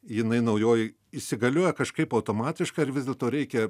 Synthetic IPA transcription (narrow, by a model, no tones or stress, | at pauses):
jɪnɐɪnɐʊjoːjɪ | ɪʃsʲɪɡɐlʲoːjɛkɐʃkɐɪpɐʊt̪oːmɑːt̪ʲɪʃkɐɪɾʋʲɪzdʲɛlˠt̪oːɾʲɛɪkʲɛ